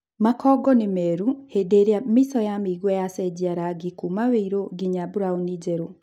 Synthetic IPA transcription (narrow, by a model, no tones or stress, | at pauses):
makʰɔɡɔnemɛɾuhedeɾeamisɔjamiɣwɔjasɛɟiaɾaɡikumaβeiɾoɡiɲabuɾaonid͡ʒɛɾo